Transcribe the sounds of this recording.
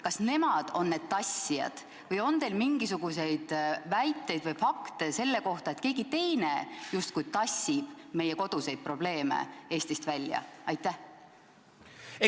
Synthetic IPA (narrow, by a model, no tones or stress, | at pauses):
kɑsne̞mɑd̪̥o̞nːe̞d̪̥t̪ɑsːijɑ̰d̪̥ | vɤjo̞nt̪e̞jlmiŋɡisuɡ̥use̞jd̪̥væjt̪ːˑe̞jd̪vɤjfɑkt̪e̞se̞lːe̞ko̞ht̪ɑe̞t̪ːˑke̞ːɡ̥it̪e̞jne̞just̪̚kujt̪ɑsʲːib̥me̞jːeko̞d̪̥use̞jd̪̚pro̞ble̞ːmḛe̞ːst̪ist̪vælʲːjɑ̰ɑjt̪ːˑæh